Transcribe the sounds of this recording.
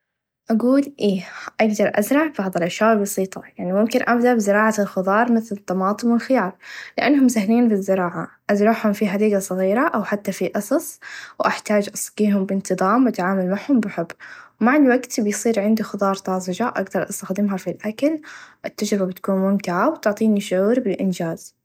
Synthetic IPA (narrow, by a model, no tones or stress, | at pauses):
ʔaɡuːlʔeːʔaɡd̪ɑɾˤʔazɾˤɑʕb̥ɑʕðˤɨlʔaʃjaːʔɪlbɑsˤiːt̪ˤɑjaʕnimʊmkɪnʔabd̪aʔbɪzɪɾˤɑːʕalxʊðˤɑːɾˤmɪθlɪt̪ˤːɑmɑːt̪ˤɨmwɪlxɪjɑːɾˤlɪʔanːɦʊmːsaɦliːnbɪzːɪɾɑːʕaʔazɾˤɑʕhʊmfiħad̪iːɡasˤɨɣiːɾaʔawħat̪ːafiʔɑsˤɑsˤwʔaħt̪aːd͡ʒʔɑsˤɡiːɦʊmbɪnt̪ɨðˤɑːmwʔat̪ʕaːmalmaʕhʊmbɪħɪbːwmaʕɪnd̪waɡt̪bɪjsˤiːɾʕɪnd̪ixʊd̪ˤɑːɾˤt̪ˤɑːzˤɪd͡ʒaʔaɡd̪ɑɾˤʔɑst̪axd̪ɪmɦafilʔakalʔɪt̪ːad͡ʒɾɪbabɪt̪ḁkuːnmʊmt̪ɪʕawt̪ʊʕt̪ˤiːniʃʊʕuːɾbɪlʔɪnd͡ʒaːz